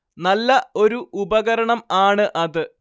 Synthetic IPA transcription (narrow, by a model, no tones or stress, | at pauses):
nɐlːɐo̞ɾuubɐɣɐɾɐɳɐmaːɳɨʔɐðɨ